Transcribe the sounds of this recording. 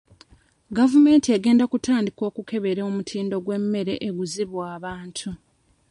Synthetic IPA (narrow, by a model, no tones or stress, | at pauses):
ɡavume̞ːntieɡe̞ːndakutaːndiko̞ːkuke̞βe̞ɾeomutʰiːndo̞ɡwe̞mːe̞ɾe̞ʔeɡuziβwaːβaːntʰu